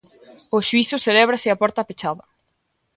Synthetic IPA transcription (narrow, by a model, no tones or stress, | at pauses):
ʊʃuisʊselɛβɾasɪapɔɾt̪ɐpet͡ʃaðɐ